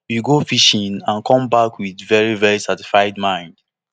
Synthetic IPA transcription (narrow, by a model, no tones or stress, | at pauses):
juɡofiʃĩnãnkʰɔ̃mbakʰwiðvɛɹivɛɹisati̥sfaɪdmãɪ̃nd̥